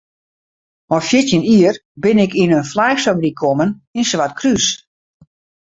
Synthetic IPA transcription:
ɔfjɪtjəniərbɪnɪkinənflajxsabrikʰɔməninsʋatkʰrys

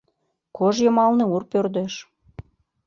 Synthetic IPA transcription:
kʰoʒjəmɑlnĕurpørd̪eʃ

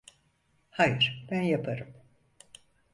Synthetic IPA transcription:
hajɯɾ̥b̥ænjapʰaɾɯm

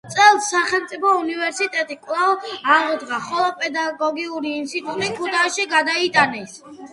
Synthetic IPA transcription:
t̪sʼɛlˠsːaχɛlˠmt̪sʼipʰɔunivɛɾsit̪ʼɛt̪ʼikʼwlˠavaʁɔd̪ɡaχɔlˠɔpʼɛd̪aɡɔɡiuɾiːnt̪sʰit̪ʼut̪ʼikʰut̪ʰaʃiɡad̪ait̪ʼanis

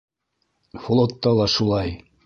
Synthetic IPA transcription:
flˠot̪ːɑlˠɑʃulˠɑj

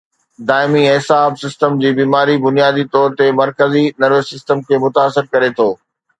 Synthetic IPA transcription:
d̪aːɪmiɦɪsaːbsɪsʈəmd͡ʑiːbiːmaːɾibʊnijaːd̪it̪ɔːɾt̪emɐɾkəzinɐɾəsɪsʈəmkʰeːmʊt̪aːsɪɾkɐɾet̪ʰoː

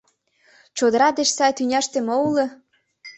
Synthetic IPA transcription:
t͡ɕod̪ə̆ɾɑd̪eʃsɑjt̪ynʲæʃt̪ĕmoulɤ

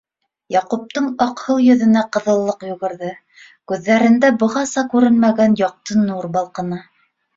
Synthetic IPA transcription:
jɑqup̚t̪ɤɴɑqhɤlˠjɵ̆ðɘ̆næqɤ̆ðɤ̆lˠːɤqjŭɣɤ̆ɾðɤ | kʉðːæɾɘ̆nd̪æbɤ̆ʁɑsɑkʉɾɘnmæɡænjɑq̚t̪ɤnuɾbɑlˠqɤ̆nɑ

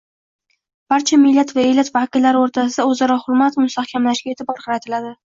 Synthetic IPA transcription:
b̥aɾt͡ʃʰamɪlːat̪vaejlat̪vakʲɪlːaɾɪoɾt̪ʰasɪd̪aɵzaɾɒhʊɾmat̪mʊst̪ʰahkʲʰamlaʃɡʲae̞t̪ɪbɒɾqʰɑɾat̪ʰɪlad̪ɪ

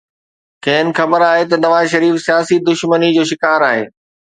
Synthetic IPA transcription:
kɛ̃ːɪnɪ̆xɐbəɾaːɦet̪ɐnɐʋaːzʃɐɾiːfsijaːsid̪ʊʃmənid͡ʑoːʃɪkaːɾaːɦḛː

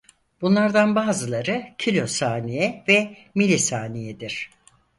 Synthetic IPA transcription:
b̥unlˠaɾd̪anbaːzɯlˠaɾɯcʰilʲo̞saːnejɛvɛ | milʲisaːnejɛd̪iɾ̥

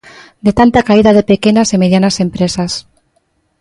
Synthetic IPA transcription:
d̪et̪ant̪akaiðaðepekenasemeðjanasempɾesas

